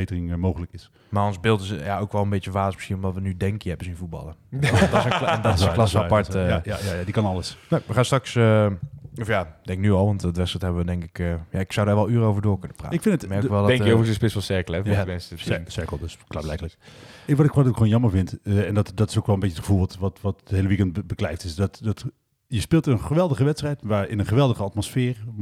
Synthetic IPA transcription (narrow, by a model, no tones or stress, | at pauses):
əbejtərɪŋmowɣələkɪs | maːɔnzbɪlˠtɪsjaowkʋɛlˠənbett͡ʃəʋaːsmɪsχinɔmdɔtʋənydɛŋkjɛbəsinvut̚bɑ̰lˠədsdɔɪsə̃lɑsəapɑɹtəajajadikɑnɑlˠəsnoʋəχaːstrɑksə | ɔfjad̥ɛŋknyɔlˠʋɑntːtʋɛstətɦɛbəʋədɛŋkɪkəjaɪksawdaːɹʋɛlˠyːɾəowvəɹdoːɹkɵnəpra̰ːɪkfɪnətmɛɹkkʋɛlˠddɛŋkovsɪspɪsʋɛlˠsɛɹkəlˠɛvamɛnssɛɹkəl̩ˠdəsklaːblɛjkələkɪʋɔtɪkɔtokxonjɑməɹvɪntɛndɔtdɔtɪsokʋɛlˠəmbɪt͡ʃətχə̥vulˠʋtʋɔtʋɔtdəɦejləʋikɛntbəklɛjftɪsdɔtdɔt | jəspɪːlˠtənχəʋɛlˠdəɣəʋɛtstrɛjtʋaɪnənχəʋɛlˠdəɣəatmosfɪːr